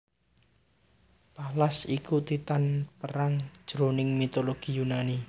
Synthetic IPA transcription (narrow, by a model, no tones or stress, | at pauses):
palasikut̪it̪anpəɾaŋd̥ʒ̥ɾonɪŋmit̪oloɡ̥i̤junani